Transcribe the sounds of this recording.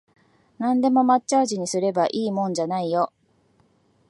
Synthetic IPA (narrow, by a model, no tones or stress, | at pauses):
nãnd̪e̞mo̞matt͡ɕaːʑiɲ̟isɨɾe̞baʔiːmõ̞ɲ̟d͡ʑanaijo̞